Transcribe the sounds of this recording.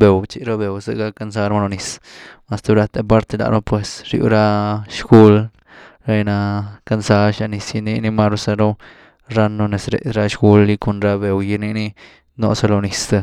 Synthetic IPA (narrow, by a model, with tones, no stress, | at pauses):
be˨wt͡ʃi˧ɾo˦be˨wsḛ˧ɡa˦˧ka˧ns̬a˦ɾma˧lo˧ni˨sma˧st̪u˧ɾa˧t̪e˧p̬a˦ɾt̪e˧la̰˨ʔno˦pwe˨sɾjṵ˧˦ɾa˦ʃɡu˦l | ɾa˧jna˧ka˧nsa˦ɾʃa˧ni˧sji˧ni˧ni˧ma˦ɾu˧˦sa˧ɾo˦ | ɾa˦no˧ne˨sɾḛ˨sɾa˦ʃɡu˦lːi˧ko˧nɾa˦be˨wji˧ni˧˦ni˦ | no̰˧sa˧lo˧ni˨st̪a˧